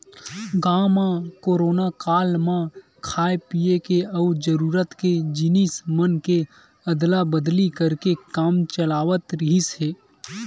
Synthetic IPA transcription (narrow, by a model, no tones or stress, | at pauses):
ɡãːmãkoːɾoːnakaːlmã | kʰaːepijekeɐd͡ʒəɾuːɾət̪ked͡ʒinismənke | əd̪labəd̪likəɾkekaːmt͡ʃəlaːʋət̪ɾɪɦiseː